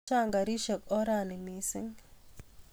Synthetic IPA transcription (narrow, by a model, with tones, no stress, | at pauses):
a˦ŋɡa˨ɾi˦ʃə˨kɔ˦ɾani˨misɪ˦ŋ